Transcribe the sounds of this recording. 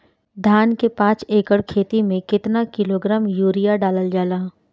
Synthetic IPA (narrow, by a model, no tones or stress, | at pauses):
d̪ʱaːnkepãːt͡ʃeːkəɽkʰeːt̪imẽkɪt̪nakɪloɡɾaːmjuːɾijaɖaːləld͡ʒaːlaː